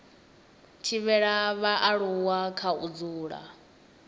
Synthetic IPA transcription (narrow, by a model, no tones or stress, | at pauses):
tʰiβɛɺaβaʔaɺuwakʰaud͡zuːɺa̰